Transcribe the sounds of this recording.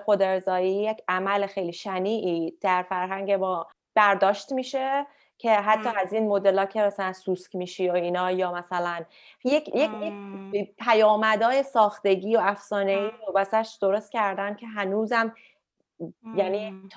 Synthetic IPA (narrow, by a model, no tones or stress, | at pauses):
xod̪e̞ɾzɒːjiːjecʰæmælexe̞jliːʃæniːʔiːd̪̥æɾfæɾɦæŋɟe̞mɒː | b̥æɾd̪ɒːʃt̪miːʃe̞ | cʰe̞ɦæt̪ʰːɒːæziːnmo̞d̪e̞lɒːcʰe̞mæsælænsuːskmiːʃioiːnɒːjɒːmæsælæn | jekjekjekpʰæjɒːmæd̪ɒːje̞sɒːxt̪e̞ɟiːoæfsɒːne̞iːɾobæsæʃd̪̥o̞ɾo̞st̪̚cʰæɾd̪æncʰe̞ɦænuːzæm | jæniːt̪ʰ